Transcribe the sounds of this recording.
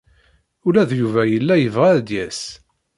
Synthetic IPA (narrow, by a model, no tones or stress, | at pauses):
ʊlæðjuvæjəlːæjəvʁæd̪jæs